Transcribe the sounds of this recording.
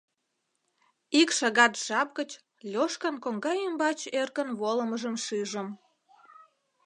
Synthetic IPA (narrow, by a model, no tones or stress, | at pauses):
ikʃɑɣɑt̪ʒ̥ɑp̚ɡət͡ɕ | lʲoʃkənkoŋɡɑjymbɑt͡ɕerkənβoləməʒəmʃiʒəm